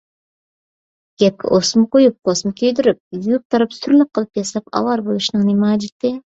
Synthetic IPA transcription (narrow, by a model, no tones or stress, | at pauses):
ɡ̥ʲap̚kʲʰa̰ʔosmqojɪp̚qʰosmɪkʲʰejd̪ɪɾɪp̚jʊjʊq̚t̪ɑɾɪpsʊɾlˠɪq̚qʰːɨlˠɪp̚jasap̚ɑ̰wɑɾbolˠɪʃnɪŋnɪmɑd͡ʒɪt̪ːɪ